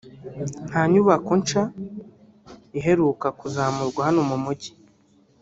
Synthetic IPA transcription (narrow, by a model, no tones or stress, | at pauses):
n̥haɲuβakunt͡ʃa | iɦe̞ɾukakuzaːmuɾɡwahanomumuɟi̥